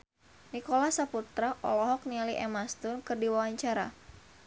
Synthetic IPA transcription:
nikɔlahsaput̪ɾaʔɔ̰lɔɦɔk̚nialiʔɛmast̪ʊnkɨrdiwawaɲt͡ʃaɾa̰

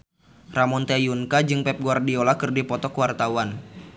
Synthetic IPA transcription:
ramɔnt̪ɛjunkad͡ʒɨŋpɛp̚ɡuardiolakɨrdipɔt̪ɔkwart̪awan

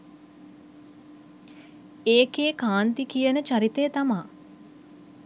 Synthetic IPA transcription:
eːkeːkaːnt̪ikijənət͡ʃaɾit̪eːt̪amaː

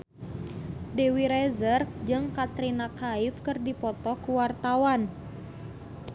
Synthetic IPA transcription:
dewiɾɛzərk̚d͡ʒɨŋkat̪ɾinakʰaifkɨrdipɔt̪ɔkuwart̪awan

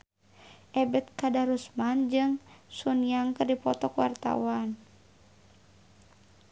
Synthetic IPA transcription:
ʔɛbɛt̪̚kadaɾusmand͡ʒɨŋsunjaŋkɨrdipɔt̪ɔkwa̰rt̪a̰wan

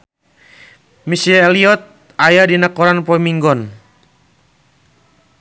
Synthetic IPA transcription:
misiɛliɔt̪̚ | ajadinakɔɾanpɔmiŋɡɔn

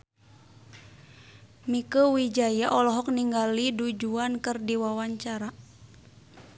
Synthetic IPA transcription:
mikəwid͡ʒajaʔɔlɔɦɔk̚niŋɡalidud͡ʒuankɨrdiwawaɲt͡ʃaɾa

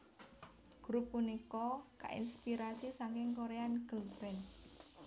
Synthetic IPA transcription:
ɡ̥ɾupːunikɔka̰ʔḭnspiɾasisaŋkɪŋkoɾeanɡ̥əlbɛn

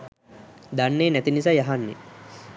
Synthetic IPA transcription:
d̪anːeːnæt̪inis̬aːjaɦanːḛ

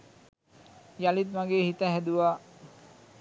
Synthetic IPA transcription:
jalit̪̚maɡehit̪aɦɛd̪ua

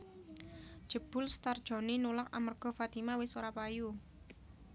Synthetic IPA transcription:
d̥ʒ̥ə̤b̥ʊ̤lst̪ard̥ʒ̥ɔ̤ninulaka̰mərɡ̥ɔ̤fat̪imawɪsoɾapaju

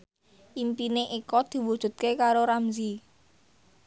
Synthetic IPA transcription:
ʔimpineʔikɔd̪̥i̤wud̥ʒ̥ṳt̪̚kekaɾoɾamzi

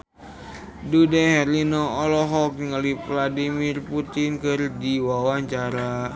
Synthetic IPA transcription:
dudɛhɛɾinɔɔlɔɦɔk̚ŋəlivladimirput̪inkɨrdiwawaɲt͡ʃaɾa

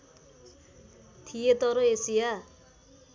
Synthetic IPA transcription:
t̪ʰijet̪ʌɾoesija

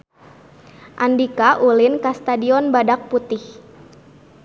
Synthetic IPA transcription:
ʔandikaʔulɪnkast̪adiɔnbadak̚put̪ɪh

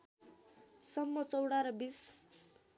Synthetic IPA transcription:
sʌmːʌt͡sʌwɽaɾʌbis

